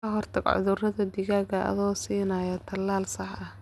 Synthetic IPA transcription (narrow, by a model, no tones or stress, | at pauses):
kɐɦɔrt̪ʰɐɡʕʊ̰ðʊrɐðɐd̪ɪɣaːɡɐʔɐ̰ðɔːsiːnɐːjɐt̪ʰɐlːaːlsɐħɐh